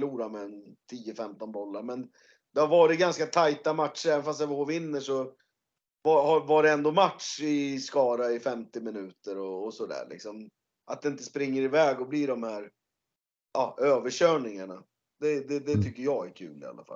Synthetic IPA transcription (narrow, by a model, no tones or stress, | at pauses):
luːɾamɛːnt̪ʰiːəfɛmt̪ɔnbɔlːaɾmɛn | d̪ɛhaɾvɑːɾɪt̪̚ɡanskat̪ʰajt̪amat̪ʂəɾɛːvənfast̪ɛvəhoːvɪnːəʂɔ | vahɑvaɖɛɛnd̪ɔmat̪ʂɪskɑːɾaɪfɛmt̪ɪmɪnʉ̟ːt̪əɾɔːsɔd̪æ̰ːɭɪ̰ksɔm | ʔat̪̚ɛnɪnt̪əspɾɪŋːəɾɪvɛːɡɔbliːɖɔmhæːɾ | ʔɑːøːvəɕøːɳɪŋaɳa | d̪̥ɛd̪ɛd̪ɛt̪ʰʏkːəjɑːɡæɾkʰʉ̰ːlɪ̰a̰lːa̰fa̰l